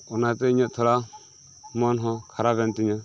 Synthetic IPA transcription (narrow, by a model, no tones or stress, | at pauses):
ɔnat̪ɛiɲɔt̪ʰɔla | mɔnɦɔkʰaɾaβɛnt̪iɲa